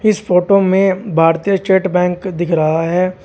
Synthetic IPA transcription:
ɪsfoːʈomẽbʱaːɾt̪ijət͡ʃeːʈbɛ̃ːŋkd̪ɪkʰɾɐɦaɦɛː

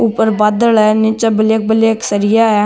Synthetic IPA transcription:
ʊpːəɾbaːd̪əlɛːnɪt͡ʃəbəleːk̚bəleːksəɾijaːɛː

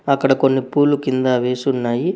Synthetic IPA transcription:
ɐkːɐɽɐko̞nːipuːlːukind̪aːʋe̞ːsunːaːji

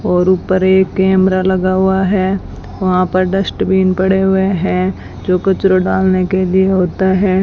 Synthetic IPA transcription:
ɔːɾuːpəɾeːkːɛːmɾalɐɡaɦʊaɦɛː | ʋɐɦãpɐɾɖɐsʈbʱiːnpɐɽeɦʊeɦɛ̃ | d͡ʒoːkɐt͡ʃɾoɖaːlnekelieɦoːt̪aɦɛː

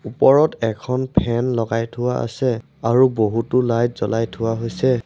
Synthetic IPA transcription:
upɔɹɔtɛkʰɔnpʰɛnlɔɡajtʰʊwaa̰sɛ | aɹuboɦutʊlajtzɔlajtʰʊwaɦojsɛ

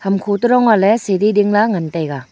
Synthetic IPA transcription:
hamkʰotuɾɔŋalɛsedidiŋlaŋantajɡa

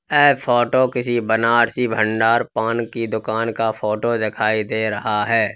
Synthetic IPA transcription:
ɛːpʰɔːʈokɪsibənaːɽsibʱə̃ɳɖaːɾpaːnkid̪ʊkaːnkapʰoːʈod̪ɪkʰaːid̪eːɾɐɦaɦɛː

